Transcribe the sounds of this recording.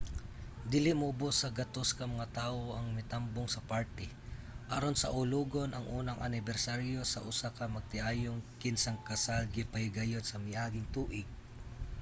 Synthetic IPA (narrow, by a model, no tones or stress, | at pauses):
d̪iːlɪʔmɐʔʊbosːɐɡɐt̪oskɐmɐŋat̪aːʔo̞ʔɐŋmɛt̪amboŋsɐpaɹt̪ɪ | ʔaɾonsɐ̰ʔʊluːɡo̞nʔɐŋʔuːnɐŋʔɐ̰nɪbɛɾsaɾjo̞sɐʔʊsakɐmɐɡ̚t̪ɪʔaːjoŋkɪnsɐŋkɐsalɡɪpɐɪɡɐjot̪sɐmɪʔaːɡɪŋt̪uːʔɪɡ̚